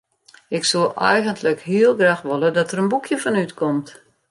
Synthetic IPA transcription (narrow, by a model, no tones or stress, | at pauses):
ɪksulˠɛ̰jɣəntʰləkɦiəlˠɡraːxʋolˠədɔtərənbukʰjəfɔnytkʰɔmt